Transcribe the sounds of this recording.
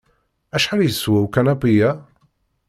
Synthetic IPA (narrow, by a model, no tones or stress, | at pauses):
æʃħaɾjəswæwkænæbijæ